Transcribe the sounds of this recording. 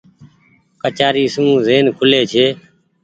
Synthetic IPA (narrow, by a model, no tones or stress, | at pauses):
kət͡ʃaːɾiːsmũːzeːnkʰʊleːt͡ʃʰeː